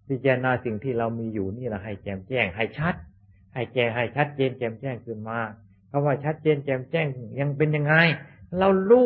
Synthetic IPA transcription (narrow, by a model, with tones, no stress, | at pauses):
pi˧˩t͡ɕa˧˩naː˧si˨˩ŋt̪ʰiː˥˩ɾa˧wmiː˧juː˨˩niː˥˩la˧˩ɦa˧˩jt͡ɕɛː˧˩mt͡ɕɛː˧˩ŋɦa˧˩jt͡ɕʰa˦˥t̪̚ | ha˧˩jt͡ɕɛː˧˩ŋɦa˧˩jt͡ɕʰa˦˥t̪̚t͡ɕeː˧nt͡ɕɛː˧˩mt͡ɕɛː˥˩ŋkʰɯː˧˩nmaː˧˩ | kʰa˧mwaː˧˥˩t͡ɕʰa˦˥t̪̚t͡ɕeː˧nt͡ɕɛː˧˩mt͡ɕɛː˥˩ŋ˧˩ja˧ŋpe˧nja˧ŋːa˧jɾa˧wluː˥˩